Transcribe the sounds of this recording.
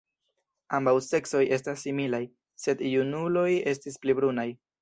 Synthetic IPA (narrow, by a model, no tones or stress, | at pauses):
ambawse̞kso̞je̞stasːimilaj | se̞djunulo̞je̞s̬tisplibɾunaj